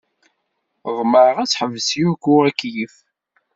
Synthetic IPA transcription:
ðˤməɾəʁæt͡sːħəvːəsijuɡʷʊækːjif

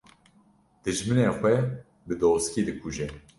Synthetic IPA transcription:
d̪̥ɨʒmɨneːxʷɛ | bɨd̪oːskiːd̪ɨkʰuʒɛ

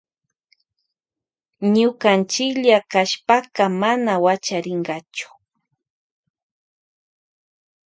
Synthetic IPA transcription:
ɲʊkant͡ʃɪkʎakaʃpakamanawat͡ʃaɾɪŋɢɑt͡ʃʊ̥

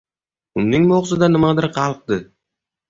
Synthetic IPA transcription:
ʊmnɪŋmoʁzɨd̪anɪmad̪ɪɾqʰɑlˠq̚d̪ɨ

